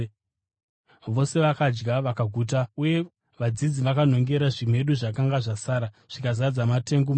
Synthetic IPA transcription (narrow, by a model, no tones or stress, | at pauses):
ʋo̞se̞ʋakad͡ʒɡaʋakaɡʱuːt̬auje̞ | ʋad͡zid͡ziʋakan̤o̞ŋɡe̞ɾaʐim̤e̞ɗuʐakaŋɡaʐasaːɾa | ʐ̥ikazad͡zamate̞ŋɡuma